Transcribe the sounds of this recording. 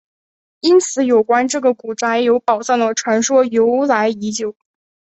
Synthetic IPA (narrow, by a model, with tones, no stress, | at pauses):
i˥nt͡sʰɹ̩˨˧˥jo˨˩ʊkwa˥nʈ͡ʂɤ˥˩ɡə˩ku˨˩ʈ͡ʂa˥ɪjo˧˥ʊpɑ˨˩ʊsa˥˩nlə˨˩ʈ͡ʂʰwa˧˥nʂwɔ˥jo˧˥ʊla˧˥ɪi˧˥t͡ɕjo˨˩˦ʊ